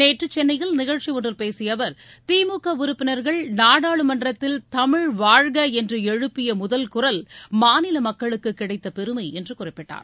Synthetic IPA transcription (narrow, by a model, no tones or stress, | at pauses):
neːʈrɯt͡ʃːɛnːɐjɪlnɪɣɐɻt͡ʃiʋɔɳrɯlpeːsɪjɐʋɐɾ | t̪iːmuːkːɐʋʊɾʊpːɪnɐɾɣɐɭnaːɽaːɭɯmɐndrɐt̪ːɪlt̪ɐmɪɻʋaːɻɣɐɛndrɯɛɻɯpːɪjɐmʊðɐlkʊrɐlmaːnɪlɐmɐkːɐɭɯkːɯkːɪɽɐɪt̪ːɐpɛɾɯmɐɪɛndrɯkʊrɪpːɪʈːa̰ːɾ